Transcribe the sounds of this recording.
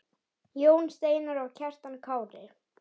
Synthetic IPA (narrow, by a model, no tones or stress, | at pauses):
joːwnst̪eːjnaɾawcʰɛr̥t̪ankʰaːwɾɪ